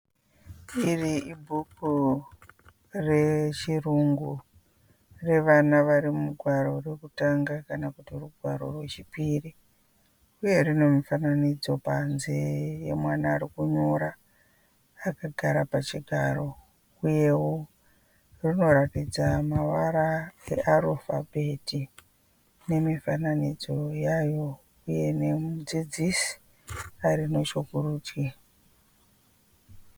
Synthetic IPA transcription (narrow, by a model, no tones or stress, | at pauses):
iriʔibʱuku | re̞t͡ʃiruŋɡu | re̞ʋanaʋaɾimuɡʱwaɾo̞re̞kutaŋɡakanakutiruɡʱwaɾo̞̰rwe̞t͡ʃipiːri | uje̞rine̞mifananid͡zo̞panze̞je̞̰mwanaːɾikuɲo̞ɾaː | kaɡʱaɾapat͡ʃiɡʱaɾo̞ | uje̞wo | rino̞ɾatid͡zamaʋaɾae̞̰ʔarofa̰bʱetʰi | ne̞mifananid͡zo̞jajo̞ | uje̞ne̞mud͡zid͡zisi̥ | aɾino̞t͡ʃokuruːti